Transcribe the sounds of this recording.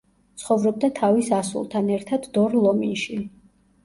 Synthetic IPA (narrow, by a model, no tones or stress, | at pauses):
t̪sʰχɔvɾɔb̚d̪at̪ʰavisasṵlˠt̪ʰanɛɾt̪ʰad̪ːɔɾlˠɔminʃi